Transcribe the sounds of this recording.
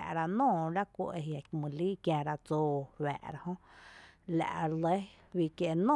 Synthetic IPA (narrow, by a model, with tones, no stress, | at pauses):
a̰˨ʔɾa˧nõː˦˨ɾa˦kʷḛ˧˨ʔe˧ɦja˨kmũ˨liː˦kjã˧ɾa˧t͡soː˧wæ̰ː˨ʔɾa˧hõ˦ | la̰˨ʔlə˦ | wi˧˨kje˧ʔnõ˦˨